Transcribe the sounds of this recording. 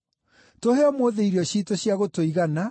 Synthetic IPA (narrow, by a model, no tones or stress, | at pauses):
toheɔmoːðeiɾiɔɕitoɕjaɣotoiɣana